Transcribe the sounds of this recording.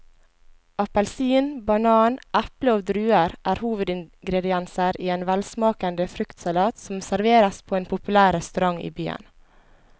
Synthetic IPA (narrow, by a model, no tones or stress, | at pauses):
ʔɑpɛlsiːnbɑnɑːnʔæpləoːd̪ɾʉːəɾʔæːɾhuːʋəd̪ɪŋɡɾɛd̪ɪɛnsəɾʔiːeːnʋælsmɑːkɑnd̪əfɾʏkt̪sɑlɑːt̪sɔmsæɾʋeːɾɑspʰoːeːnpʰʊpʉlæːɾɾɛst̪ʉɾɑŋḭːbyːə̰n